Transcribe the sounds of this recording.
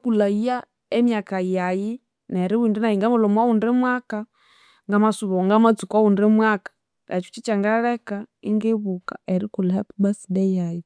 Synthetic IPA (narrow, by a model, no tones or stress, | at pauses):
kulaia | ɛmjakajaji | nɛɾiwindɛnajiŋɡamulɔmwawundɛmwaka | ŋɡamasuβɔŋɡamat͡sukaundɛmwakḁ | ɾʔa̰t͡ʃu̥t͡ʃit͡ʃaŋɡaɺɛkaiŋɡeβuka̰ɛɾikulahɛpubasidɛjaji